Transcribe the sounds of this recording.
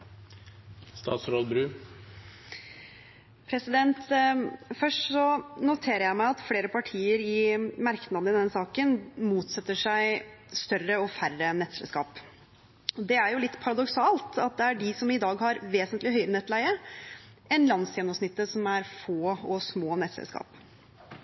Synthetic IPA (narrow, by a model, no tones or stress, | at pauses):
st̪ɑ̰ːt̪sɾoːd̪̚bɾʉː | pʰɾɛsɪd̪ɛnt̪ | fœʂʈsɔnʊt̪ʰeːɾəɾjæɪmæɪɑt̪fleːɾəpʰɑʈʰiːəɾɪmæɾknɑd̪əɪd̪ɛnsɑːkənmuːt̪sɛt̪ːəʂæɪ | st̪œrəɔfærənɛt̪sɛ̰lskɑ̰ːp | ɔd̪ɛæɾjʊlɪt̪ːpʰɑɾɑd̪ɔksɑːlt̪ɑt̪̚d̪ɛæɖɪsɔmɪd̪ɑːɡhɑɾʋeːsənt̪lɪɦœʏɾənɛt̪ːlæɪə | ʔɛnlɑnsjɛnːɔmsnɪt̪ːəsɔmæɾfoːɔsmoːnɛt̪sɛ̰lskɑ̰ːp